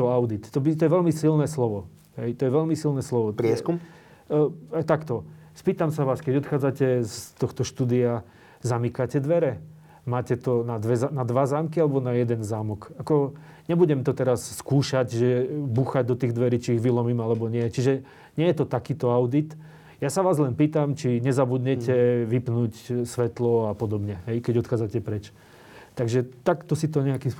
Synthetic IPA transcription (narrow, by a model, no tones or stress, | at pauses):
t̪ɔaʊd̪it̪ːɔbit̪ɔjɛʋɛʎmisilnɛːslɔʋɔ | ɦɛjt̪ɔjɛʋɛʎmisilnɛːslɔʋɔɾɛskum | ajt̪akt̪ɔspiːt̪amsaʋaːskɛɟɔt̪xaːd͡zacɛst̪ɔxt̪ɔʃt̪uːd̪ia | zamikacɛd̪ʋɛɾɛ | maːcɛt̪ɔnad̪ʋɛzanad̪ʋazaːmkialɛbɔnajɛd̪ɛnzaːmɔkakɔ | ɲɛbuɟɛmt̪ɔt̪ɛɾasskuːʃaɟʒɛbuxaɟ̚d̪ɔt̪iːɣd̪ʋɛɾit͡ʃiːɣʋilɔmiːmalɛbɔɲɪɛt͡ʃiʒɛ | ɲɪɛjɛt̪ɔt̪akiːt̪ɔaʊd̪it̪ | jasaʋaːzlɛnpiːt̪amt͡ʃiɲɛzabud̪ɲɛcɛʋipnuːcsʋɛt̪lɔapɔd̪ɔbɲɛɦɛjkɛɟɔt̪xaːd͡zacɛpɾɛt͡ʃ | t̪aɡʒɛt̪akt̪ɔsit̪ɔɲɛakims